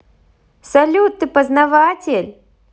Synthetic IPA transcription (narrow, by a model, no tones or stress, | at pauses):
sɐlʲut̪ːɨpəznɐvatʲɪlʲ